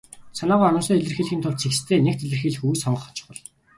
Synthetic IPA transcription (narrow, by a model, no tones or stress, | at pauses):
sanaːʁɔːɔnʊ̆ːsɔːeɮɘ̆rxiːɮxʲiːnt̪ʰʊɮt̪t͡sʰikst̪ʰeːnek̚t̪eɮɘ̆rxiːɮɘ̆xujsɔɴə̆χɔ̥̆t͡ɕʰʊ̥̆χə̆ɮ